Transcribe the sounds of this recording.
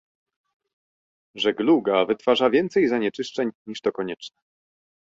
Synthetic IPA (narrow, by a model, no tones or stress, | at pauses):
ʐɛɡluɡavɘt̪faʐavʲjɛnt̪sɛjzaɲɛt͡ʂɘʂt͡ʂɛɲɲiʂt̪ɔkɔɲɛt͡ʂnɛ